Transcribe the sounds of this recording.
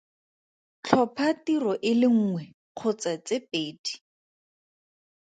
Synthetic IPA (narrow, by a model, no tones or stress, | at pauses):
t͡ɬʰɔpʰatirɔʔɪlɪŋ̩ːŋwɛ | q͡χʰʊt͡sat͡sepeːdi̥